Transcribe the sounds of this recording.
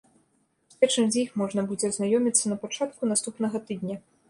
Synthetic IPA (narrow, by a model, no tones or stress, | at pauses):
sʲpʲɛt͡ʂɨmzʲixmɔʐnɐbud͡zʲɛznajɔmʲit̪sːɐnɐpat͡ʂat̪̚kunast̪upnɐɣɐt̪ɨd̪nʲɐ